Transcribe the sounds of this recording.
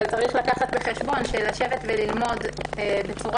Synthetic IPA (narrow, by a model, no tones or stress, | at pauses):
lt͡saʁiχlakaχat̪beχe̞ʃbo̞nʃelaʃe̞vet̪velilmo̞debet͡suʁ